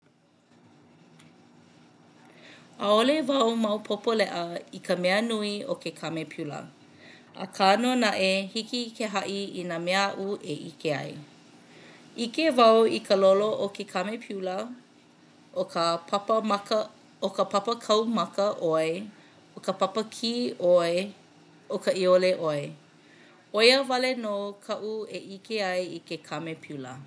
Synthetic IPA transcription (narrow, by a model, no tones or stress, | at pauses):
aolevɐwmɐwpʰopolɛʔəikʰəmɛənuiokʰekʰɐmepʰulə̰ | ʔə̰kʰanonɐʔehikikʰeɦɐʔiinameəaʔuʔeʔikeɐ̰j | ikevɐwikʰəloloʔokekʰɐmepʰulə | op | okəpɐpəkʰɐwmɐkəʔoe | okəpɐpəkʰiːʔoe | okəʔioleʔoe | ojəvɐlenoːkʰɐʔueʔikeɐjikekʰɐmepʰulə̰